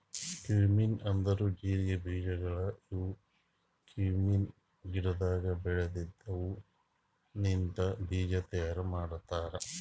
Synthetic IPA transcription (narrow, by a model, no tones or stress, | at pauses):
kiːminɐnd̪ɐɾud͡ʒiːɾijɐbʱiːd͡ʒɐɡɐɭɐiʋu | kiːmin | ɡiɾɐd̪aːɡɐbɛɭed̪id̪ːɐʋu | nint̪ɐbʱiːd͡ʒɐt̪ɛːɾɐmaːɽut̪ːaːɾɐ